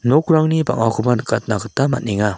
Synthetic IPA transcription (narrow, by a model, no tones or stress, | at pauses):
nɔkɾaŋniba̰ŋakʰubanɯkat̚nakɯtama̰t̚niŋa